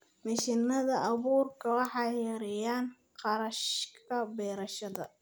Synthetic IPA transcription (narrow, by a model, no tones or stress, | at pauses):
mɪʃɪnɐðɐʔɑβuːrkʰɐwɑħɑjjːɐɾɛjaːn | qɑɾɐʃkʰɐbɛːɾɐʃɐðɐ̰